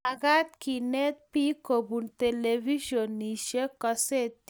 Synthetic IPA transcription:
aɡat̪kinet̪̚pikobunt̪elebʱiʃonːiʃekɔset̪

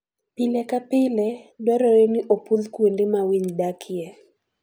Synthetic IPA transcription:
pilekapɪlɛdwɛɾɔɾeniʔopuðkwendɪmawiɲdakʰɪɛ

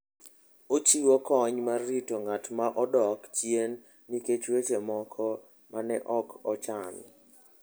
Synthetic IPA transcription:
ot͡ʃiwokɔɲmarːitoŋatmaʔɔdɔkt͡ʃjenː | iket͡ʃwet͡ʃemɔkʰɔ | manɛʔɔkɔt͡ʃamɪ̰

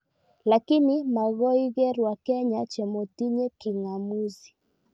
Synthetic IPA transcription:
lakinimaɣɔiɣɛɾwakɛɲat͡ʃɛmɔtiɲɛkiŋamuzi̥

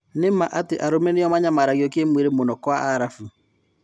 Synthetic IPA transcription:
nemaʔateʔaɾomɛneɔmaɲamaɾaɣiɔkemweɾemonɔkɔaaɾafu

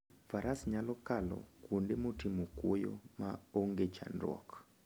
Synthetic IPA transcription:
faɾasɲalɔkalɔ̰kwondemotimokwojo̰maoŋɡet͡ʃa̰nrwɔ̰k

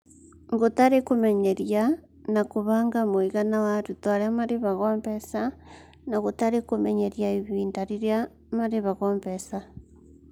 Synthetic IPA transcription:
ŋɡotaɾekomɛɲɛɾja | nakoβaːŋɡamoiɣanawaɾutwaɾeamaɾeβaɣɔːmbɛsa | naɣotaɾekomɛɲɛɾjaiβiːndaɾiɾja | maɾeβaɣɔmbɛsa

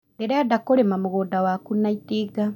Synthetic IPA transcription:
deɾɛadakoɾemamuɣoːdawakunːaitiːɡa

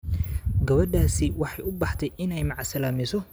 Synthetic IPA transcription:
ɡɐβɐɖaːsɪwɑħɑjʊbɑħt̪ʰɛjɪnɛjmɑʕsɐlaːmɪsɔ

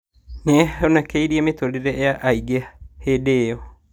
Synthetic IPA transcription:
nɛonakeiɾiemetoleɾeeaʔaiɡehedeːjɔ

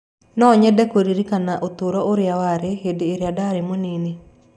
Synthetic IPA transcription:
nɔːɲɛdɛkoɾiɾikanaʔot̪oɾɔʔoɾeawaɾehedeːɾeadaɾemonene

